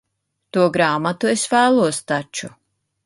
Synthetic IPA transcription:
t̪uɔɡɾaːmat̪uesvæːlˠuɔst̪at͡ʃu

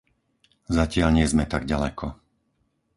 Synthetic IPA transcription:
zacɪalɲɪɛzmɛt̪aɡɟalɛkʰɔ

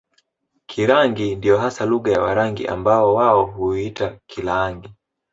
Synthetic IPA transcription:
kʰiɾaŋɡindijɔɦasaluɠajawa̰ɾaŋɡḭʔa̰mbaɔwaɔhuitakilaŋɡi

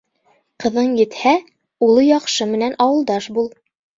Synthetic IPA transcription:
qɤ̆ðɤɴjɘ̆t̪hæ | ulˠɤjɑqʃɤmɘ̆nænʔɑwɤ̆lˠd̪ɑʃbulˠ

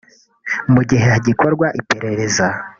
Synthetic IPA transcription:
muɟiɦe̞haɟikʰo̞ɾɡwaʔipe̞ɾe̞ɾe̞za

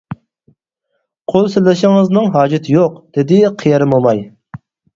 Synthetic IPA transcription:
qʰolˠsɪlɪʃɪŋəznɨŋɦɑːd͡ʒɪt̪ʰɪjoqd̪̥ɪd̪ɪqʰijɛɾɪmbomɑj

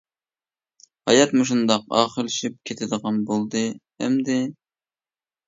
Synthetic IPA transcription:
hɑ̰jɑt̪muʃ̬und̪ɑqɑ̰ːχəlˠɪʃip̚kʲʰet̪ʰɪd̪əʁɑnbolˠd̪ɨ | ɛ̰md̪ɪ

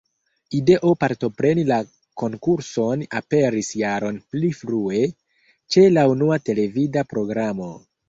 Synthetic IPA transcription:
ide̞ʔopaɾto̞pɾe̞nila | ko̞ŋkuɾso̞nape̞ɾisjaɾo̞nplifɾue̞ | t͡ʃe̞launuate̞le̞vidapɾo̞ɡɾamo̞

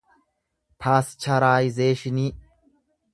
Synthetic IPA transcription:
pʰaːst͡ʃɐɾaːjɪzeːʃɪni

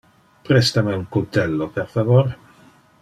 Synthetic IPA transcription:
pɾɛst̪ameuŋkult̪ɛlːopeɾfavoɾ

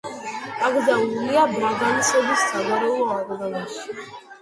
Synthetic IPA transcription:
aɡɾd̪anuliabɾaɡanisɛbisːaɡaɾɛulˠɔakʼɡ̪anaʃi̥

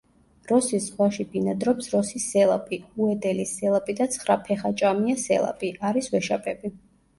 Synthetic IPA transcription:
ɾɔsiszʁwaʃibinad̪ɾɔpsɾɔsisɛlˠa̰pʼiuɛd̪ɛlisɛlˠapʼid̪at̪sʰχɾapʰɛχat͡ʃʼamiasɛ̰lˠa̰pʼiʔaɾiswɛʃapʼɛbi

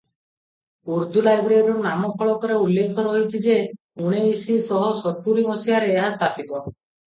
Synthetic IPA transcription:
uɾd̪ʱulajbɾeɾɔɾnamɔpʰɔɭɔkɔɾeulːekʰɔɾɔɦit͡ʃʰid͡ʒe | uɽ̃eisisɔɦɔsɔʈuɾiŋɔsijaɾeːɦast̪ʰapit̪ɔ

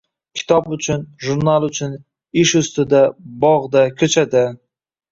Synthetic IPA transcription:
kʲʰɪ̥t̪ʰɒbʊt͡ʃʰʊnʒʊɾnalˠʊt͡ʃʰʊn | ɪʃʊst̪ɪd̪abɒʁd̪akʲʰɵt͡ʃʰad̪ɪ

